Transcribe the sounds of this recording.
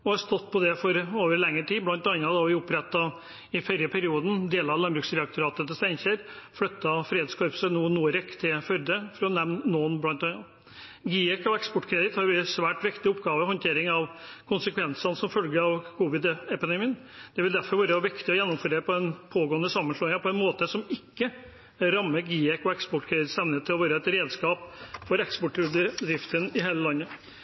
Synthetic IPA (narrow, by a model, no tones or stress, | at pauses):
ɔhɑɾst̪ɔt̪ːpʰɔd̪ɛfɔɾoːʋəɾɭɛŋːəʈ̪iːblɑnt̪ɑɪnɑd̪ɑʋɪʊpɾɛt̪ːɑ | ɪfœɾəpʰæɾɪuːd̪n̩d̪eːlɑʋlɑnbɾʉːksɾɛɑk̚t̪ʊɾɑːt̪ət̪əst̪æɪnçəɾflœt̪ːɑfɾːed̪skʰɔɾpsənuːnuːəɾɛkːt̪ʰɪfœɾd̪əfɔɾɔnɛmnːoːnblɑnt̪ɑŋɑ | ɡiːɛkːɔɛkspɔʈːkʰɾɛd̪ɪt̪hɑɾjʊsʋæːʈʋɪkt̪ɪʊpːɡɑːʋəhɔnt̪ʰeːɾɪŋɑʋkʰʊnsəkʰʋɛnsɑnəsɔmfœlɡəɑʋkʰuːʋɪd̪ɛpɪd̪ɛmiːən | d̪̥ɛʋɪld̪æɾfɔɾʋæːɾəʋɪkt̪ɪɔjɛnːɔmføɾeːɾpʰɔɛnpʰoːɡoːənəsɑmːənsʂloːɪŋɑpʰɔɛnmoːt̪əsɔmɪkːə | ɾɑmːəɡiːɛkɔɛkspɔʈːkʰɾɛd̪ɪt̪st̪ɛmnəət̪ʰːɪlɔʋæːɾəɛt̪ɾeːd̪skɑːpfɔɾɛkspɔʈːdd̪ɾɪft̪ənɪɦeːləlɑnːə